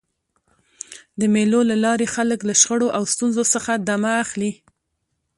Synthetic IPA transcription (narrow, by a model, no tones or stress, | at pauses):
d̪əmelolalɑɾexaləklaʃxəɽoʔawst̪unzosəxad̪amaːxli